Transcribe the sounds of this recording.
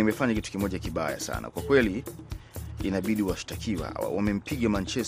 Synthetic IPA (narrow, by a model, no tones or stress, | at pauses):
imɛfaɲakitu̥kimɔʄakiɓa̰ja̰sa̰na̰kwakwɛliː | naɓiɗiwaʃi̥takʰiwa̰wamɛm̩pʰiɠamaɲt͡ʃɛ